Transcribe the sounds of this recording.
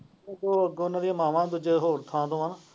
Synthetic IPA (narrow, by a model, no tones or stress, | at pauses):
t̪oːəɡonaːd̪iãːmaːʋãːd̪ʊd͡ʒəɦoːɾt̪ʰãːd̪õːan